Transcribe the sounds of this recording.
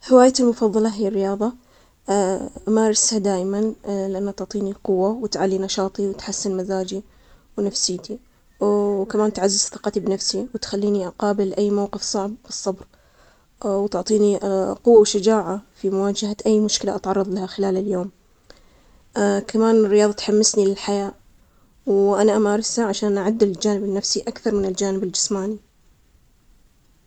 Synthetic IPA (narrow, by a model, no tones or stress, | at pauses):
hɪwaːjat̪ɪlmʊfɑðˤːɑlɑɦɪjarːɪjɑːðˤɑ | ʔamaɾˤɪshad̪aːʔmanlɪʔanːat̪ʊʕt̪ˤiːniqʊwːawɪt̪ʕalːinɑʃɑːt̪ˤiwɪt̪ħasːɪnmazaːd͡ʒi | wnafsiːt̪i | wkamaːnt̪ʕazːɪzθɨqɑt̪ibnafsiwɪt̪xalːiːniʔaqɑːbɪlʔajːmawqɨfsˤɑʕbːɨsˤːɑbɾ | wt̪ʊʕt̪ˤiːniqʊwːawʃad͡ʒaːʕafimʊwaːd͡ʒahaʔajːmʊʃkɪlaʔat̪ʕɑrˤːɑðˤlahaxɪlaːlɪljoːm | kamaːnɪrːɪjɑːðˤɑt̪ħamːɪsnilɪlħajaːʔ | wʔanaʔamaːɾˤɪsaʕaʃaːnʔaʕʊd̪ːɪd͡ʒaːnɪbɪnːafsiʔakθɑɾˤmɪnɪld͡ʒaːnɪbɪld͡ʒɪsmaːni